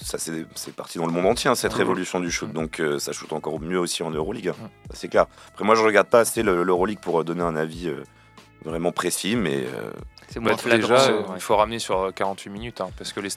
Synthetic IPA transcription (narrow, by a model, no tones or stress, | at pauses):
sasɛsɛpaʁt̪id̪ɑ̃ləmɔ̃d̪ɑ̃t̪jeɛ̃sɛt̪χevɔlysjɔ̃d̪yʃut̪̚d̪ɔ̃kʰøsaʃut̪ɑ̃kɔʁmjøosiɑ̃nøʁoliɡɛ̃sa̰sɛklɛʁapχɛmwaʒəʁəɡaʁd̪̚paːseləløʁoliɡ̚puʁd̪ɔneɛ̃naviø̰ | vʁɛmɑ̃pχesimɛ̰ø̰ɛt̪eʒafoʁamnesyʁkaʁɑ̃t̪ʰɥiminyt̪ɛ̃paʁsə̥kəle